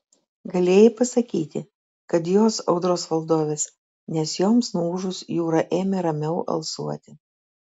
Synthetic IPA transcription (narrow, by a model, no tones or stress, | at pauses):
ɡɐlʲeːjɪpɐsɐkʲiːt̪ʲɪ̰ | kɐt̪joːsɐʊd̪ɾoːsʋɐlˠd̪oːʋʲeːs | nʲɛsjoːmsnɔuuːʒʊsjuːɾɐʔeːmʲeɾɐmʲɛʊʔɐ̰lˠsuɔt̪ʲɪ